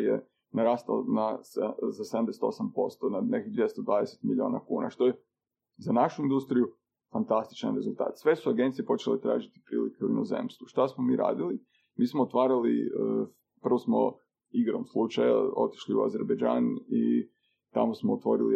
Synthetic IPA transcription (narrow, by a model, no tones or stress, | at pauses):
jḛ | naɾaːst̪a̰lnaszased̪amd̪eset̪o̞sampo̞st̪onanekid̪ʋje̞st̪od̪ʋaːd̪eset̪milʲio̞ːnakuːna̰ʃt̪oje | zanaʃuind̪ust̪ɾiju | fant̪ast̪i̥t͡ʃa̰nɾe̞zulˠt̪a̰ːt̪sʋe̞suaɡe̞nt̪sijepo̞t͡ʃelet̪ɾa̰ːʒit̪i̥pɾḭːlikeuinozḛmst̪ʋuʃt̪asmomiːɾa̰ːd̪ili | miːsmoot̪ʋaːɾalḭə | pr̩ʋosmo̰ | iɡɾomslˠut͡ʃaja̰o̞̰t̪i̥ʃliua̰zeɾbed͡ʒaːni | t̪a̰mosmoːt̪ʋo̞ɾili